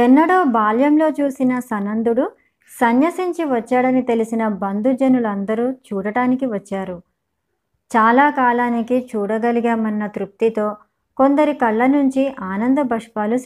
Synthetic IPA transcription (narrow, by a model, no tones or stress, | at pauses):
ɛnːɐɽoːbaːljɐmlo̞ːt͡ʃuːsinɐsɐnɐnd̪uɽu | sɐnjɐsiɲt͡ʃiʋɐt͡ʃːaːɽɐnit̪e̞lisinɐbɐnd̪ud͡ʒɐnulɐnd̪ɐɾuːt͡ʃuːɽɐʈaːnikiʋɐt͡ʃːaːɾu | t͡ʃaːlaːkaːlaːnikit͡ʃuːɽɐɡɐliɡaːmɐnːɐt̪ɾup̚t̪it̪o̞ː | ko̞nd̪ɐɾikɐɭːɐnuɲt͡ʃiʔaːnɐnd̪ɐbʱɐʂpaːlu